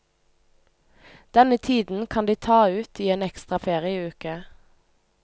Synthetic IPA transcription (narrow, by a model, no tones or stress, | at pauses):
d̪̥ɛnət̪ʰiːd̪n̩kʰɑnd̪iːt̪ʰɑːʉːt̪iːeːnɛkst̪ʁɑfeːʁɪəiːʉːkə